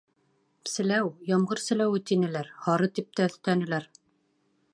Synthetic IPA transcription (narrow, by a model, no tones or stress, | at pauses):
sɘ̆læwjɑmʁɤɾsɘ̆læwɘ̆t̪inɘ̆læɾhɑɾɤt̪ip̚t̪æɵ̆θt̪ænɘ̆læɾ